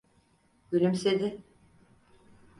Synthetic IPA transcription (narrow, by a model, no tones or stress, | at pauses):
yɾʲymsed̪ɪ